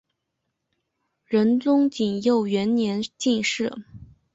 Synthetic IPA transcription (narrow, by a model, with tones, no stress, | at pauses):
ɻə˧˥nt͡sʊ˥ŋt͡ɕi˨˩njo˥˩ʊɥɛ˧˥nnjɛ˧˥nt͡ɕi˥˧nʂɻ̩˥˩